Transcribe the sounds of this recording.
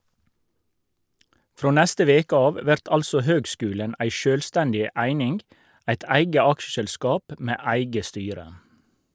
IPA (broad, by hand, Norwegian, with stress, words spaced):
ˈfɾoː ˈnɛstə ˈʋeːkə ˈɑːʋ ˈʋæʁt ˈɑlsɔ ˈhøːɡˌskʉːlən ˈʔæɪ ˈʃøːlstɛndɪ ˈæɪnɪnɡ ˈæɪt ˈæɪɡə ˈɑkʃəʃɛlˌskɑːp ˈmeː ˈæɪɡə ˈstyːɾə